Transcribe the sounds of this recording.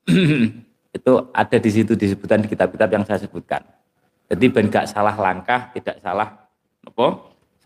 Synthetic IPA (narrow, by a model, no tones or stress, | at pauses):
it̪uʔa̰d̥a̤dis̬it̪udis̬əb̥ut̪ankit̪ap̚kit̪ap̚jaŋsajasəb̥ut̪̚ka̰n | d͡ʒad̪ib̥anɡaʔsalahlaŋkaht̪id̥aʔsa̰lah | ŋəpɔ